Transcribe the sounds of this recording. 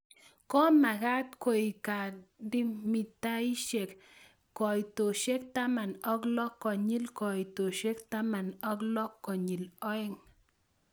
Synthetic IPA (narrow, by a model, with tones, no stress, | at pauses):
kɔ˦ma˨ka˦t̪ko˨jka˨di˦mi˨t̪a˦i˦ʃe˨k | kɔ˨jt̪o˨ʃe˦kt̪a˦ma˨nɔ˦klɔ˦kːɔ˨ɲi˦lkɔ˨ji˨t̪o˨ʃe˦kt̪a˦ma˨nɔ˦klɔ˦kːɔ˨ɲi˨lɔ˦e˦ŋ